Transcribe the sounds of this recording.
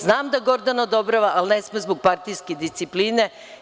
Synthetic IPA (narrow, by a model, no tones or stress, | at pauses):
znaːmd̪aɡo̞ɾd̪anod̪obɾaʋaʔalnesmozboɡ̚paɾt̪ijsked̪ist̪sipliːne̞